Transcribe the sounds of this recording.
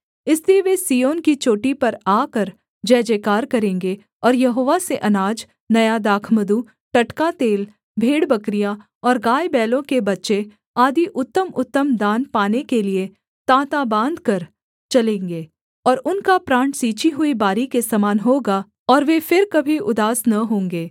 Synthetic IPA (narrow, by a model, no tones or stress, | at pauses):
ɪslieʋesiːjoːnkit͡ʃoːʈipɐɾaːkɐɾ | d͡ʒɛːd͡ʒeːkaːɾkɐɾẽːŋɡe | ɔːɾjɐɦoːʋaseʔɐnaːd͡ʒ | nɐjad̪aːkʰməd̪u | ʈɐʈkat̪eːl | bʱeːɽbɐkɾija | ɔːɾɡaːjbɛːlõkebɐtːʃe | aːd̪ʱiʔʊt̪ːəmʊt̪ːəmd̪aːnpaːnekelie | t̪ãːt̪abãːnd̪ʱkɐɾ | t͡ʃɐlẽːŋɡeː | ɔːɾʊnkapɾãːɳʈsiːt͡ʃiɦʊibaːɾikesɐmaːnɦoːɡa | ɔːɾʋefɪɾkɐbʱiʊd̪aːsnɐɦõːŋɡeː